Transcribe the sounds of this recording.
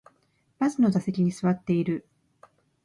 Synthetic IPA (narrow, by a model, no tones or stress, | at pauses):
b̥azɨno̞dase̞kʲiɲ̟isɨβat̪ːe̞iɾɯ̟